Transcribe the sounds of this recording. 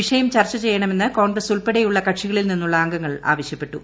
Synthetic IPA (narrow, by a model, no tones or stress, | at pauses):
iʂɐjɐmt͡ɕɐrt͡ɕːɐt͡ɕe̞jːɐɳɐme̞nːɨko̞ːɳɡrɐsuɭpeɽejuɭːɐkɐʈʂiɣɐɭilninːuɭːɐːŋɡɐŋːɐɭa̰ːʋɐɕjɐpːe̞ʈːu